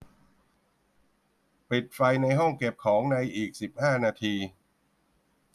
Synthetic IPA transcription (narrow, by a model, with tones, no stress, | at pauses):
pli˨˩t̪̚fa˧jna˧jɦɔ˥˩ŋke˨˩p̚kʰɔː˩˦ŋna˧jʔiː˨˩k̚si˨˩p̚haː˥˩naː˧t̪ʰiː˧